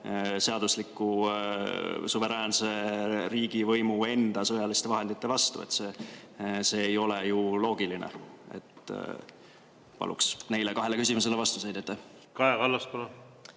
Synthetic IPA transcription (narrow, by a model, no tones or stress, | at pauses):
se̞ɑd̪uslikːˑu | suve̞ɾæːnse̞ɾiːɡ̥ivɤjmue̞nd̪̥ɑsɤjɑlist̪e̞vɑɦe̞nd̪it̪ːe̞vɑst̪ṵe̞̰t̪ːse̞ː | se̞ːjo̞le̞julo̞ːɡ̥ilinḛe̞̰t̪ː | pɑ̰lṵksne̞jlekɑɦe̞lekysimus̬e̞levɑst̪usejd̪̥et̪ːɑ | kɑekɑlːɑskonɑ